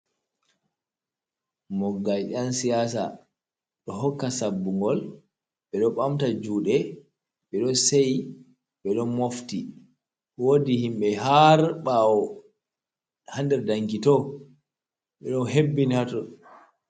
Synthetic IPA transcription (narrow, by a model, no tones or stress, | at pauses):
mɔɡːajɗansijasa̰ | ɗɔɦɔkːasabːuŋɡɔl | ɓɛɗɔɓamtad͡ʒuːɗɛ | ɓɛɗɔsej | ɓɛɗɔmofti | wodihimɓɛɦaɾɓawɔ | handɛɾdaŋɡitɔ | ɓɛɗɔnɦebːinihatɔ